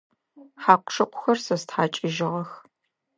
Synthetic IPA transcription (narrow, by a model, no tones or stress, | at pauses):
ħaːqʷʼʂɐqʷʰʊxɐrsɐstħaːt͡ʃʼɪʒɪʁɐx